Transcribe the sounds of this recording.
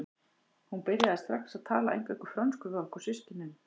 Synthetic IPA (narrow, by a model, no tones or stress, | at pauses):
hunpɪɾjaðɪst̪ɾaksaðt̪ʰaːlaḛjŋkvɛkʏ̥fɾœnskʏvalkɔsɪscɪnːʏm